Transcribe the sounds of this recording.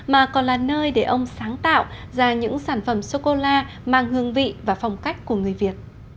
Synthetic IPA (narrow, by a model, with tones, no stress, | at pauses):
maː˨˩kɔ˨˩nlaː˨˩nəː˧jɗe˧˩ʔə˧wŋ͡msaː˨˦ŋt̪a̰ː˧˨w | zaː˧˩ɲɨ̰˧˥ŋsaː˧˩nfə˧˩mso˧ko˧laː˧ | maː˨˧˩ŋhɨ˧˩əŋvḭ˧˨vaː˨˩fɔ˨˩wŋ͡mka˦˥jk̟̚ku˧˩əŋɨ˨˩əjvi˨˩ət̚